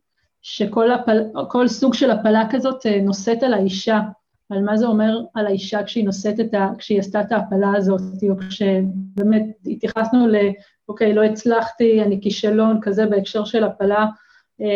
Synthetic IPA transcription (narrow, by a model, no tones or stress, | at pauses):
ʃe̞ko̞lapalako̞lsuɡʃe̞lapalakazo̞teno̞se̞talaiʃaː | lmazeo̞me̞ʁalaiʃakʃeino̞se̞t̪etakʃeiastat̪aːpalaːzo̞ttiokʃe̞be̞met̚it̪jaχasnule̞ | oke̞jlo̞it͡slaχtianikiʃalo̞nkaze̞beekʃe̞ʁʃe̞lapala